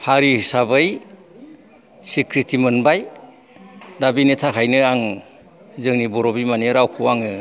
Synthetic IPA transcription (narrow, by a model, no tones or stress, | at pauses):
haɾisabɯj | sikʰɾitʰimɯnbaj | dabinitʰakʰajnɯaŋ | zɯŋnibɔɾɔbimaniɾawkʰɯwaŋɯ